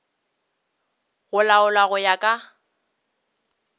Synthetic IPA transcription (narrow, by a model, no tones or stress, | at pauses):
ɣʊlaʊlaɣʊjakʼa